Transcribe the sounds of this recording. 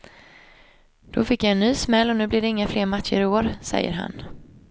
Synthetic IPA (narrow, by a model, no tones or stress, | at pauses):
d̪̥ɔfɪkjaɛnːyːsmɛlːɔnʉ̟ːblɪd̪ɛɪŋːafleːɾmat̪ʂəɾɪoːɾsɛ̰jːə̰ɾɦa̰n